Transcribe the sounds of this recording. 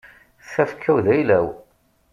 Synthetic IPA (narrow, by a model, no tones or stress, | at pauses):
θæfkʰːæwðæjlæw